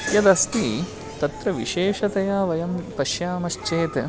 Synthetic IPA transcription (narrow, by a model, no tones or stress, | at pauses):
jɐd̪ɐst̪i | t̪ɐt̪ɾɐʋiʃeːʂɐt̪ɐjaːʋɐjɐmpɐʃjaːmɐʃt͡ʃeːt̪